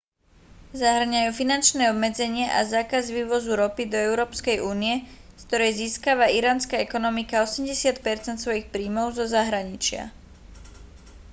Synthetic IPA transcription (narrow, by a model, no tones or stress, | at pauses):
zaɦr̩ɲajuːfinant͡ʃnɛɔbmɛd͡zɛɲɪɛʔazaːkazʋiːʋɔzuɾɔpid̪ɔɛʊɾɔːpskɛjʔuːniɛskt̪ɔɾɛjziːskaʋaiɾaːnskaɛkɔnɔmikaɔsɛmɟɛsɪat̪pɛɾt͡sɛnt̪sʋɔjixpɾiːmɔʊzɔzaɦɾaɲit͡ʃɪa̰